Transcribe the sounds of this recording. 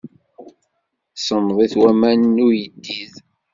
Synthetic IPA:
sˤəmðˤiθwæmænnujəd̪ːið

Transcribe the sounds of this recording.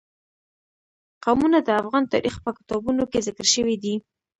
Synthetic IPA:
qawmunad̪əafɣɑnt̪ɑ̰ɾʔixpəkɪ̥t̪ɑbunokezɪkəɾʃəwid̪i

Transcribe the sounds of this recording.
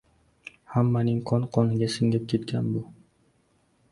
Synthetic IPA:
hamːanɪŋqʰɒnqʰɒnɪɡʲasɪŋɡʲap̚kʲʰe̞t̪kʲʰanbʊ

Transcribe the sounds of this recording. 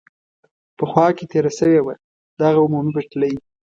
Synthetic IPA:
pəxwɑket̪eɾasəwewa | d̪aɣaʊmumibaʈlawi

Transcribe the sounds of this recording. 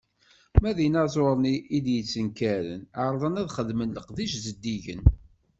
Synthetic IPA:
mæðinæzˤoɾˤniʔid̪jət͡sːənkæɾə̰naɾˤðˤənæðχəðmənləqðiʃzəd̪ːiʝə̰n

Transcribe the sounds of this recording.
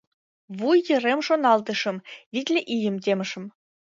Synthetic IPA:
βujːɤ̆remʃonɑlˠt̪ɤ̆ʂɤ̆mvʲit̪ʲlʲĕʔijɘ̆mt̪̬ʲemʲɘ̆ʂɘ̆m

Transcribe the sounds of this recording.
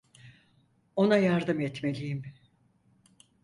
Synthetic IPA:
o̞najaɾd̪ɯmɛt̪me̞lʲijim

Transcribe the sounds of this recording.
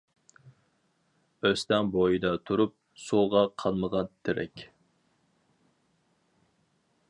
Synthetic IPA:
øst̪ɛŋbojɨd̪ɑt̪ʰuɾup̚ | suʁɑqʰɑlˠməʁɑnt̪ʰɪɾɛ̰kʲ

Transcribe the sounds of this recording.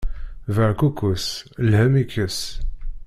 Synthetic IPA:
vəɾkukːuslhəmikːəs

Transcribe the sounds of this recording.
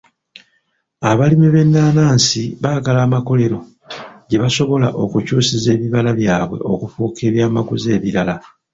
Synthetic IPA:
aβalimiβe̞nːaːnaːnsiβaːɡalaːmako̞le̞ɾo̞ | ɟe̞βaso̞βo̞laʔo̞kucuːsize̞ːβiβalaβjaːβwe̞̰ʔo̞kufuːkʰe̞ːβjaːmaɡuze̞ːβiɾala

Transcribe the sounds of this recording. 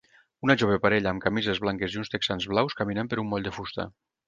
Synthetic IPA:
unɐʒoβ̞epaɾeʎaːmkamizezβlaŋkeziunst̪eksanzβlawskaminəmpeɾumbɔʎd̪efust̪a̰

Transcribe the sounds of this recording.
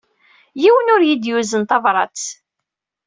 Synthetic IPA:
jiwənʊɾjid̪juzənt̪ɑvɾˤɑ̰t͡s

